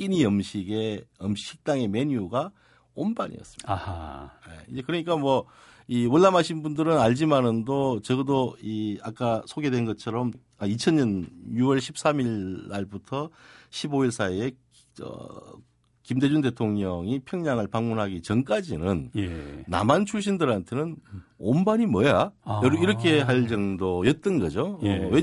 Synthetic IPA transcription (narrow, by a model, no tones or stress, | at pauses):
k͈iniʌmɕʰiɡe̞ʌmɕi̥k̚t͈aŋe̞me̞ɲuɡa | onbaɲḭʌ̰s͈ɯmidajḛid͡ʑekɯɾʌɲik͈amwʌ | iwʌɭːamɦaɕʰinbundɯɾɯnaʎd͡ʑimanɯndot͡ɕʌɡɯdoiak͈asʰoɡe̞dwe̞nɡʌt͡ɕʰʌɾʌm | ait͡ɕʰʌnɲʌnjuwʌɭɕʰip̚s͈amiɭːaɭbutʰʌɕʰiboiɭsʰaie | ʌ̰ | kimde̞d͡ʑunde̞tʰoŋɲʌŋipʰjʌŋɲaŋɯɭpaŋmunɦaɡit͡ɕʌnk͈ad͡ʑinɯnː | a̰mant͡ɕʰuɭɕ̬͈ʰindɯɾɦantʰenɯnombaɲimʌjaiɾʌkʰe̞ɦaɭd͡ʑʌŋdojʌt̚t͈ʌnɡʌd͡ʑowe